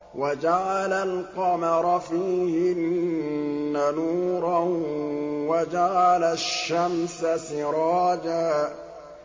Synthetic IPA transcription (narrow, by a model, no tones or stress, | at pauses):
wad͡ʒaʕalalqɑmɑɾˤɑfiːhɪnː | anuːɾˤɑ | wad͡ʒaʕalaʃʃːamsasɪɾˤɑːd͡ʒaː